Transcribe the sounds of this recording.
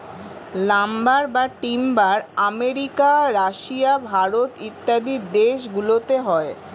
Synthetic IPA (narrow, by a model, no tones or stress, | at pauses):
lambaɾbaʈimbaɾameɾikaɾaʃiabʱaɾot̪it̪ːad̪id̪eʃɡulot̪eɦɔe